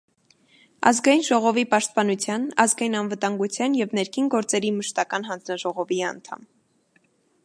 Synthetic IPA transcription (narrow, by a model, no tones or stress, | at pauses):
ɑ̰zɡɑjinʒɔʁɔvipɑʃt̪̚pɑnut͡sʰjɑnɑzɡɑjinɑnvət̪ɑŋɡut͡sʰjɑnjɛvnɛɾkʰinɡɔɾt͡sɛɾiməʃt̪ɑkɑnɦɑnd͡znɑʒɔʁɔviɑnt̪ʰɑ̰m